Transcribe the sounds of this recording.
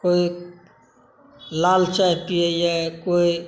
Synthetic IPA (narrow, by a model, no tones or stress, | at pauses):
koi | laːlt͡ʃait̪iejakoi